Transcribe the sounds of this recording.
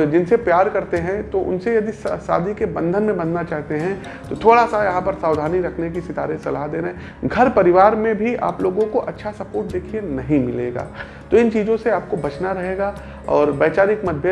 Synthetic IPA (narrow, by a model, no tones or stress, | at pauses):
d͡ʒɪnsepjaːɾkɐɾt̪eɦɛ̃t̪oʔʊ̰nsejɐd̪issa̰ːd̪ʱikebɐ̃nd̪ʱənmẽbɐnd̪ʱnat͡ʃaːɦt̪eɦɛ̃ | t̪ot̪ʰoːɽasajɐɦãpɐɾsaːʋwd̪ʱaːniɾɐkʰnek̬isɪt̪aːɾẽsɐlaɦd̪eːnɛ | ɡʱɐɾpɐɾɪʋaːɾmẽbʱiʔa̰ːploːɡõkoʔɐtːʃʰasɐpoːɾʈ̚d̪eːkʰienɐɦĩmɪleːɡa̰ː | t̪oɪnt͡ʃiːzõseaːp̚kobɐt͡ʃnaɾɐɦeːɡaː | ɔːɾbɛːt͡ʃaːɾɪkmɐd̪̚bjə